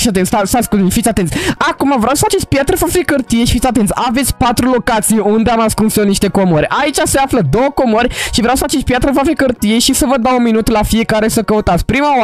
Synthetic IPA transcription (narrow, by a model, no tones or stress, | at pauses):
at̪ensasasʲkulinfit̪sʲat̪e̞nt̪sʲakumavɾeawsəfat͡ʃest͡ʃpjat̪ɾəfafikərt̪ijeʃifit̪ʲat̪ent̪sʲave̞t̪sʲpat̪ɾulo̞kat̪sijeund̪eamaskunsoniʃt̪e̞ko̞moɾʲʔait͡ʃaseafləd̪o̞wəko̞morʲʃivɾawsə̥at͡ʃet͡ʃʲpjat̪ɾəfafikərt̪ije̞ʃisəvəd̪awunminut̪lafije̞kaɾe̞səkəut̪at̪sʲpɾimaa